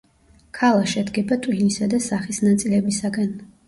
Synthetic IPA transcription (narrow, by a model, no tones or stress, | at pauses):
kʰalˠaʃɛd̪ɡɛbat̪ʼwlinisad̪asaχisnat̪sʼilɛbisaɡan